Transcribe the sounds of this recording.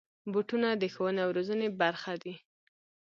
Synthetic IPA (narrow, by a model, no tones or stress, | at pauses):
buʈunad̪əxowənawɾozənebaɾxad̪i